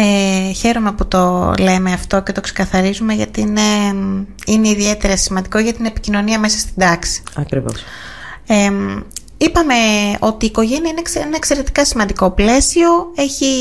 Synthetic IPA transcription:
eçe̞ɾome̞put̪o̞le̞meɐft̪o̞ce̞t̪o̞ksekɐθɐɾizume̞ʝɐt̪ine | ine̞iðie̞t̪e̞ɾɐsimɐnd̪iko̞ʝɐt̪ine̞picino̞niɐme̞sɐ̥st̪id̪ɐksi̥ɐkɾivo̰s | e | ipɐme̞o̞t̪iːko̞ʝe̞niɐinekenɐekse̞ɾe̞t̪i̥kɐsimɐnd̪iko̞ple̞sio̞e̞çi

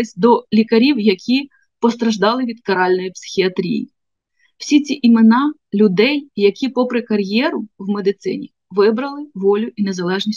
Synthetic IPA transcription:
ɪsʲd̪ɔlʲikɐɾʲiwjɐkʲʰi | pɔst̪ɾɐʒd̪ɑlˠɪʋʲid̪kɐɾɑlʲnɔjipsɪ̥xʲiɐt̪ɾʲḭjḭ | w̥sʲit͡sʲiʔimenɑlʲʊd̪ɛjjɐkʲipɔpɾɪkɐɾʲjɛɾʊwmed̪ɪt̪sɪ̰nʲi | ʋɪbɾɐlˠɪʋɔlʲʊʔinezɐlˠɛʒnʲisʲ

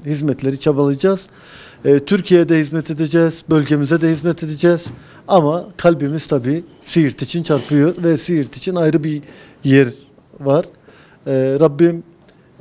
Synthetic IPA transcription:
hizmɛt̪ʰlʲe̞ɾit͡ʃʰabalˠɯjd͡ʒaz̥ | t̪ʰyɾcʰijɛd̪ɛhizmɛt̪ʰed̪ed͡ʒɛːz̥bølʲɟe̞mizɛd̪ɛhizmɛt̪ʰed̪ed͡ʒɛz̥ | amakʰalʲbimiz̥t̪ʰabiː | sijiɾt̪ʰit͡ʃʰint͡ʃʰaɾpʰɯjo̞ɾvɛsijiɾt̪ʰit͡ʃʰinajɾɯbijɛɾ | vaɾ̥ | ɾabːim

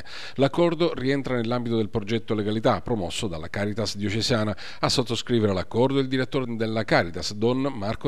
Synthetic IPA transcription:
lakːɔrd̪oriɛnt̪ɾanelːambit̪od̪elpɾod͡ʒɛt̪ːoleɡalit̪apːɾomɔsːod̪alːakaːɾit̪asd̪jot͡ʃesaːna | asːot̪ːoskɾiːveɾelakːɔrd̪oild̪iɾet̪ːoːɾed̪elːakaːɾit̪asd̪ɔnmarko

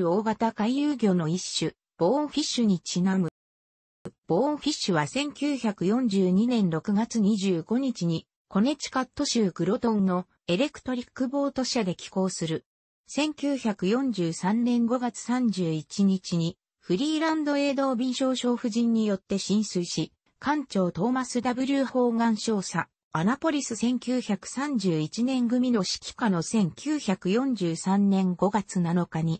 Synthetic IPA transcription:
o̞ːɡat̪akaijɯːɡʲo̞ːno̞iɕːɨ | b̥õ̞ːɸʲiɕːɨɲ̟it͡ɕinamɯ̟ | b̥õ̞ːɸʲiɕːɨβasẽ̞ŋkʲɨːçakɯ̟jõ̞ɲ̟d͡ʑɨːɲ̟inẽ̞nɾo̞kɯ̟ɡat͡sɨɲ̟iʑɨːɡo̞ɲ̟it͡ɕiɲ̟i | ko̞ne̞t͡ɕi̥kat̪ːo̞ɕiɯkɯ̟ɾo̞t̪õ̞nno̞ | e̞ɾe̞kɯ̟̥t̪o̞ɾʲikːɯ̟bo̞ːt̪o̞ɕiad̪e̞kʲi̥ko̞ːsɨɾɯ̟ | sẽ̞ŋkʲɨːçakɯ̟jõ̞ɲd͡ʑɨːsãnnẽ̞ŋɡo̞ɡat͡sɨ̥sãɲd͡ʑɨːit͡ɕiɲ̟it͡ɕiɲ̟i | ɸɯ̟ɾʲiːɾãnd̪o̞e̞ːd̪o̞ːbʲĩɰ̃ɕo̞ːɕo̞ːɸɯ̟ʑĩɲ̟ːijo̞t̪ːe̞ɕĩɰ̃sɨiɕi | kãɲt͡ɕo̞ːt̪o̞ːmasɨd̪abɯ̟ɾʲɨːho̞ːɡãɰ̃ɕo̞ːsa | anapo̞ɾʲisɨsẽ̞ŋkʲɨːçakɯ̟̥sãɲ̟d͡ʑɨːit͡ɕinẽ̞ŋɡɯ̟mʲino̞ɕi̥kʲi̥kano̞sẽ̞ŋkʲɨːçakɯ̟jõ̞ɲd͡ʑɨːsãnːẽ̞ŋɡo̞ɡat͡sɨnano̞kaɲ̟i

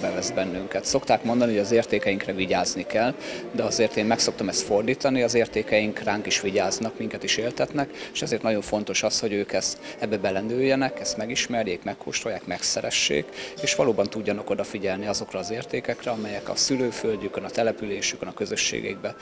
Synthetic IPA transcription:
bɛvɛzbɛnːyŋkɛt̪so̞kt̪aːkmo̞nd̪ɒnihoɟɒzeːrt̪eːkɛjiŋkrɛviɟaːznikɛld̪ɛɒzeːrt̪eːmmɛkso̞k̚t̪omɛst̪fo̞rd̪iːt̪ɒniɒzeːrt̪eːkɛjiŋkraːŋkiʃʋiɟaːznɒkmiŋkɛt̪iʃeːlt̪ɛt̪nɛkeʃɛzeːrt̪ɒɟo̞ɱfo̞n̪t̪o̞ʃɒsho̞ɟøːkɛst̪ɛbːɛbɛlɛnøːjːɛnɛkɛst̪mɛɡiʃmɛrjeːkmɛkho̰ːʃt̪rojaːkmɛksɛɾɛ̰ʃːḛːkeːʃʋɒloːbɒnt̪uɟːɒnɒko̞d̪ɒfiɟɛlniɒzo̞krɒːzeːrt̪eːkɛkrɛɒmɛjɛkɒ̰syløːfølɟykːønɒt̪ɛlɛpyleːʃy̥kːønɒkø̞zøʃːḛːɡɛ̰iɡ̚bɛ

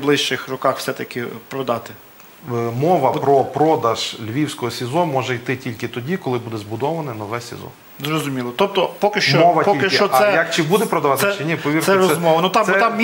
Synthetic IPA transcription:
blˠɪʃt͡ʃɪxrɔkɑxwsɛt̪ɐkʲɪpɾɔd̪ɑt̪ɪ | mɔʋɐpɾɔpɾɔd̪ɐʒ̥lʲʋʲiwsʲkɔɦɔsʲɪzɔmɔʒɛjt̪ɪtʲilʲkɪt̪ɔdʲikɔlˠɪbud̪ɛzbʊd̪ɔʋɐnɛnɔʋɛsʲɪ̰zɔ̰ | zrɔzʊmʲilˠɔt̪ɔp̚t̪ɔpɔkɪʃt͡ʃt͡ʃɔmɔʋɐpɔilkɪʃɪɔsɛjɐkt͡ʃɪbud̪ɛpɾɔd̪ɐʋɑt̪ɛt͡ʃɪnʲipɔʋʲirt̪ɛɾɔɛzmɔʋɐnut̪ɑk̪ɛt̪ɑmmʲ

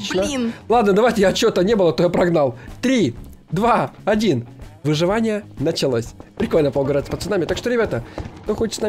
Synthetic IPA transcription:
t͡ɕnəlˠad̪nəd̪ɐvajtʲɪjaɐt͡ɕːɪot̪ənʲe̞bɨlˠət̪ojapɾɐɡnalˠt̪ɾʲi | d̪vaɐdʲinvɨʐɨvanʲɪjənət͡ɕɪlˠosʲpɾʲɪko̞lʲnəpolˠɡəvɾat̪səpət̪sɨnamʲɪt̪akʂt̪oɾʲɪbʲat̪əkt̪oxot͡ɕɪt̪sna

